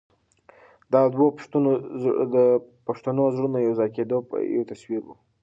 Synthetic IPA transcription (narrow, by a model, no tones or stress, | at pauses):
d̪ɑd̪wopʂt̪unod̪əpaʂt̪anozɽunajawzɑjked̪opja̰wt̪aswiɾwṵ